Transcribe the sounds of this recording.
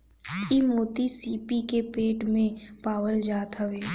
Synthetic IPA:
iːmoːt̪isiːpikepeːʈmẽpaːwəld͡ʒaːt̪ɦəʋeː

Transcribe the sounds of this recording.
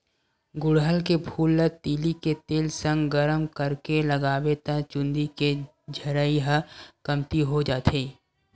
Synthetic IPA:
ɡʊɽɦəlkebʱuːlːət̪iːliket̪eːlsə̃ŋɡɡəɾəmkəɾkelɐɡaːwet̪ə̃t͡ʃʊ̃nd̪ike | d͡ʒʱɐɾəiɦəkɐmt̪iɦod͡ʒaːt̪ʰeː

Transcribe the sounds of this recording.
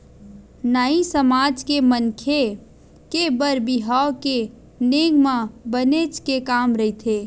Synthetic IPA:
naːisəmaːd͡ʒkemənkʰe | kebəɾbiɦaoke | neːɡmãbəneːt͡ʃkekaːmɾəit̪ʰeː

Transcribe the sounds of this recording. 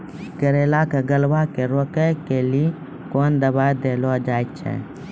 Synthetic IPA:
kəɾeːlakeɡəlʋakeɾoːkəkelie | koːnd̪əbaːjd̪eːlod͡ʒaːjtt͡ʃʰɛ̰

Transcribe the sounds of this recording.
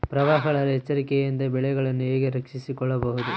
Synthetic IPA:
pɾɐʋaːɦɐɐɭɐɾɐɦɛt͡ʃːɐɾikɛjind̪ɐbɛɭɛɡɐɭɐnːueːɡeɾɐkʂisikɔɭːɐbɐɦud̪u

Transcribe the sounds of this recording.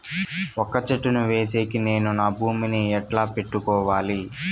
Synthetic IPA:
ɔkːɐt͡ʃɐʈːunuʋe̞ːseːkine̞ːnunaːbʱuːminiɛʈlaːpe̞ʈːukɔːʋaːli

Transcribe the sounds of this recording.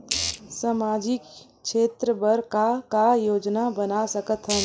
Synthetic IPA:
samad͡ʒik | t͡ʃʰet̪ɾəbəɾkakajoːd͡ʒnabənasəkət̪ɦə

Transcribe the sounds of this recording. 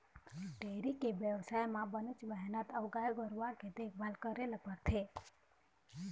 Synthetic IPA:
ənɖeɾikeʋjəʋsajmãbənət͡ʃbɛɦnət̪əʋɡajɡəɾʋaked̪ekbalkəɾeləbʱəɾt̪ʰe

